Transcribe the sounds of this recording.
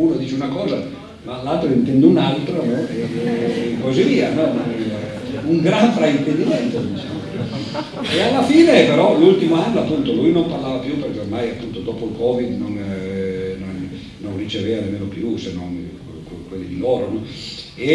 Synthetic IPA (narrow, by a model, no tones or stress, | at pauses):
uːnod̪iːt͡ʃeunakɔːza | malalt̪ɾoint̪ɛnd̪eunalt̪ɾonɔe | koziviːanɔnon | uŋɡɾaɱfɾaint̪ed̪imɛnt̪od̪it͡ʃaːmo | ealːafiːnepeɾɔlult̪imoanːoapːunt̪olujnomparlaːvapjuperk̟eormajapːunt̪od̪oːpoilkɔːvid̪non | nonː | onrit͡ʃeveːvanemːeːnopjusenːon | kkwelːid̪ilɔːɾonɔ | e